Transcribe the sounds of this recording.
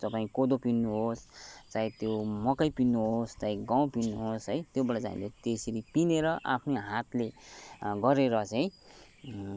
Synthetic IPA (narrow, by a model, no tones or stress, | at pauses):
t̪ʌpaĩkod̪opinːuɦost͡saj̃t̪jomʌkʌjpinːuɦost͡saĩɡaw̃pinːuɦosɦʌjt̪jobʌɽʌd͡za̰ḭ̃let̪eseɾipineɾʌʔa̰pʰneɦat̪le | ɡʌɾeɾʌt͡saj̃